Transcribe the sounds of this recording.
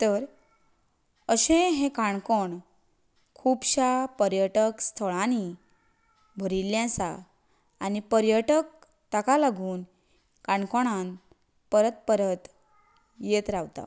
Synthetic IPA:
t̪əɾ | əɕẽɦẽkaɳkoɳ | kʰuːbɕapəɾjəʈəkst̪ʰəɭani | bʱəɾiljãsa̰ː | nipəɾjəʈək̚ | t̪akalaɡuːn | kaɳkoɽ̃an | pəɾət̪̚pəɾət̪ | jet̪ɾaʋt̪a̰

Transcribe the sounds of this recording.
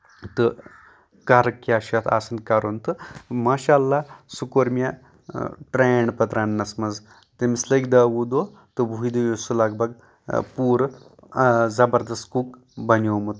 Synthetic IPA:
t̪ɨ | kaɾkːiaɕat̪ʰa̰sənkaɾont̪ɨmaːɕalːasukoɾmʲja | ʈɾeɳɖpɐt̪ɾanːɐsmɐz | t̪emisləjk̚d̪aːʋud̪o | t̪ɨbʱuid̪ujosulaɡbaɡ | puːɾ | zɐbəɾd̪ɐst̪kuk | bɐnomut̪

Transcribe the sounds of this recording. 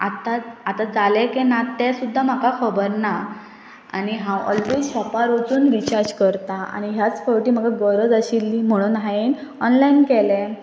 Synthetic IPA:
a̰t̪aat̪ad͡zalɛkɛnat̪ːɛsud̪ʱːam̤akakʰɔbəɾna | a̰ñiɦãwɔ̰lʋed͡zɕɔpaɾod͡zuːnʋit͡ɕaɾd͡ʑkəɾt̪aa̰ñiɦjat͡sfɔwʈiːm̤əɡaɡəɾəd͡zəɕilːim̤əɽ̃uːnɦaen | ɔnlainkɛlɛ̃

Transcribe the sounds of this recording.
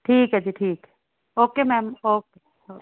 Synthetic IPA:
ʈʰiːkɦɛd͡ʒiʈʰiːk | oːkemɛːmoːke | oː

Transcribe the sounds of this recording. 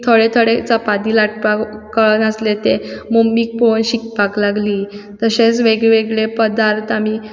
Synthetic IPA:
t̪ʰoɭet̪ʰoɽet͡sapad̪iːlaʈ̚pakəɭnəslet̪emomiːk̚ponɕik̚paklaɡliːt̪əɕet͡sʋeɡɭeʋeɡɭepəd̪aɾt̪ami

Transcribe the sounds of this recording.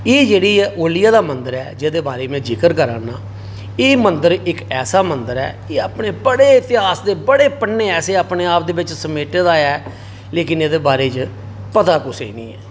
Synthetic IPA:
eːd͡ʒeːɽiːoːlɪjaːd̪aːmənd̪əɾɛːd͡ʒeːd̪eːbaːɾeːmɛ̃ːd͡ʒɪkəɾkəɾa̰ːnaː | eːmənd̪əɾɪkɛːsaːmənd̪əɾɛ̰ː | eːəpneːbəɽeːɪt̪ɪɦaːsd̪eːbəɽeːpənːeːɛːseːaːpneːaːp̚d̪eːbɪt͡ʃsəmeːʈed̪aːɛː | leːkɪneːd̪eːbaːɾeːt͡ʃ | pət̪aːkʊsḛiːnḭ̃ːɛ̰ː

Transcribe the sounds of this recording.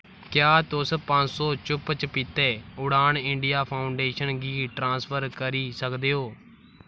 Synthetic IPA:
kjaːt̪ʊspə̃ɲsɔːt͡ʃʊpt͡ʃpiːt̪eːʊɽaːɳɪɳɖijaːpʰaːʊɳɖeːʃənɡiːʈɾãːspʰəɾkəɾiːsəkd̪eːoː

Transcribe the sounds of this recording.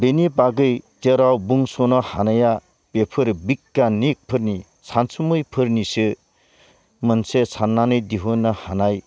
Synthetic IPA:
benipaɡɯjd͡ʒeɾawbuŋsonɔhanaja | pepʰɯɾbikːanik̚pʰɯɾni | sʰansumɯjpʰɯɾnisɯ | mɯnsesʰanːanɯjd̪iɦɯnahanaj

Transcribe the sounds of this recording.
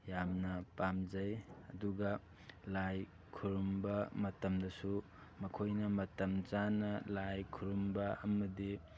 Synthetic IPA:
jamnɐpamzɐjɐduɡɐ | laj | kʰuɾumbɐmɐtɐmdɐsu | mɐkʰojnɐmɐtɐmt͡ʃanɐlajkʰuɾumbɐɐmɐdi

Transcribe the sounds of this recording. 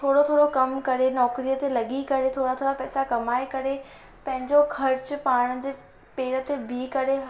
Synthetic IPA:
t̪ʰoːɽot̪ʰoːɽokɐmkɐɾenɔːkɾijət̪elɐɠikɐɾet̪ʰoːɽat̪ʰoːɽapɛːsakɐmaːekɐɾe | pɐ̃ɦɪ̃ɲd͡ʑokʰɐɾt͡ɕʊpaːɽ̃d͡ʑeː | peːɾət̪ebʱikɐɾe

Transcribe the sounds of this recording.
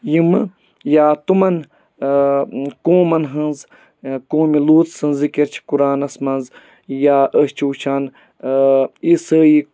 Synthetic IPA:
jimɨ | jaːt̪umɐn | kõːmɐnɦɐ̃nz | kõːmiluːt̪sɨnzikiɾt͡ʃʰi̥kuɾaːnɐsmɐnz | jaːʔəst͡ʃʰuːt͡ʃʰaːn | isəːji

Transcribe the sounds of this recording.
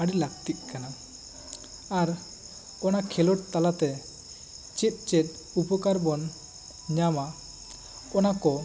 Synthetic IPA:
aɽilak̚t̪it̪̚ˀkana | aɾ | ɔnakʰɛlɔʈt̪alat̪ɛ | t͡ʃit̪̚ˀt͡ʃɛt̪̚ˀ | upɔkaɾbɔn | ɲama | ɔnakɔ

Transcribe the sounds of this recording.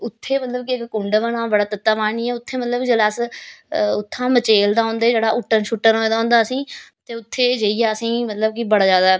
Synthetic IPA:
ʊt̪ʰːeːmət̪ləbkiɪkkʊɳɖʋənãːbəɽaːt̪ət̪ːaːmaːɳiːɛːʊt̪ʰːeːmət̪ləbd͡ʒəlaːs | ʊt̪ʰːãːmət͡ʃeːld̪aːõːnd̪eːd͡ʒeːɽaːʔʊʈːənʃʊʈːənoːẽd̪aːɦːnd̪aːəsĩːt̪eːʊt̪ʰːeːd͡ʒeːiːjaːəsĩːmət̪ləb̚kibəɽaːzjaːd̪aː

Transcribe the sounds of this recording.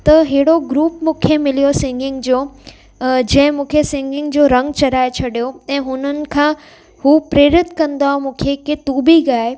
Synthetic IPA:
t̪ɐɦeɦɪɽoɡɾuːpmũːkʰemɪlijosɪ̃ŋɡɪ̃ŋɡd͡ʑoː | d͡ʑɐ̃ɦɪ̃mũːkʰesɪ̃ŋɡɪ̃ŋɡd͡ʑoːɾɐ̃ŋɡt͡ɕɐɾaːet͡ɕʰɐɗijoɛ̃ːɦʊnənɪ̆kʰãː | hupɾeːɾɪt̪kɐ̃nd̪aːmũːkʰeket̪uːbiɡaːe

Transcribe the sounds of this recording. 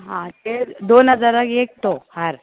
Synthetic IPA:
ɦãt̪ed̪onɦəd͡zaɾəkek̚t̪ohəɾ

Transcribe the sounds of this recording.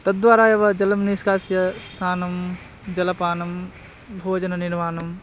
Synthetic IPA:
t̪ɐt̪̚d̪ʋaːɾaːjɐʋɐd͡ʒɐlɐmniskaːsjɐst̪ʰaːnɐm | d͡ʒɐlɐpaːnɐm | bʱoːd͡ʒɐnɐniɾmaːnɐm

